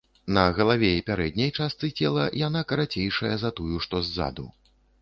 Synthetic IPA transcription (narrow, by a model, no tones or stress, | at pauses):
nɐɣɐlˠavʲɛipʲaɾɛd̪ʲnʲɐjt͡ʂast̪sɨt͡sʲɛlˠɐjanakɐɾat͡sʲejʂɐjɐzɐt̪ujuʂt̪ɔzːa̰d̪ṵ